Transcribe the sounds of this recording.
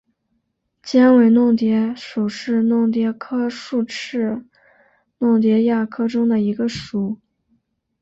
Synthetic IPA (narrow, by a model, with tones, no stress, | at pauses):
t͡ɕjɛ˥nwe˨˩ɪnʊ˥˩ŋt̪jɛ˧˥ʂu˨˩ʂɻ̩˥˧nʊ˥˩ŋt̪̬jɛ˧˥kʰɤ˥ʂu˥˧ʈ͡ʂʰɻ̩˥˩ | nʊ˥˩ŋt̪̬jɛ˧˥ja˥˩kʰɤ˥ʈ͡ʂʊ˥ŋd̪ə˨i˧˥ɡə˧ʂu˨˩˦